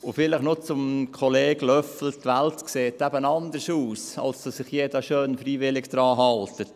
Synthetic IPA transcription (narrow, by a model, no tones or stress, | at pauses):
ʊfɪləχnot͡sʊmkʰɔleːɡlœfl̩tʋæltkseːtæbənɑnd̪əsuːsɑ̰lsd̥ɑsɪχjeːdɑʃøːnfɾiːʋɪlɪɡd̥̪ɾɑːɦɑlt̪ət